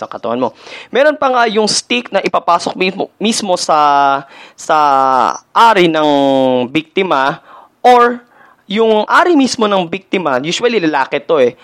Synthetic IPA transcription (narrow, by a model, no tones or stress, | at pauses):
ɐkɐt̪ɐwɐ̰nmo̞mɛːɾo̞npɐŋajʊŋst̪ik̚nɐʔɪpapaːsok̚mimismo̞sɐ | sɐ | ʔaːɾɪnɐŋbik̚t̪ɪmɐ | ʔoɹ | jʊŋʔaːɾimismo̞nɐŋbik̚t̪ɪmɐjuːsʊwɐlilɐlaːkɛt̪o̞ɛ